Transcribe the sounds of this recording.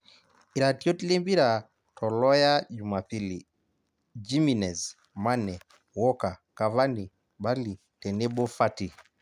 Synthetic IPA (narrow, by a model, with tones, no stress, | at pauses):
i˨ɾa˨ti˦o˦ti˦le˦mbi˦ɾa˨ | tʰɔ˨lɔ˦ja˦d͡ʒuma˨pili | d͡ʒi˦mi˨nɛ˨z | ma˦nɛ˨ | wɔ˦ka˨ka˨va˦ni | ba˦li˨ | tɛ˨ne˦bo˦fati˨